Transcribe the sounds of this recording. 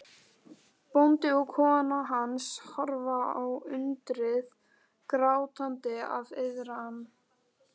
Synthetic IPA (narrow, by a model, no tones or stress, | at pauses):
pownt̪ɪɔkʰɔːanaɦanshɔɾvaawʏnt̪ɾɪð | kɾaːwt̪ant̪ɪa̰vɪðɾaanː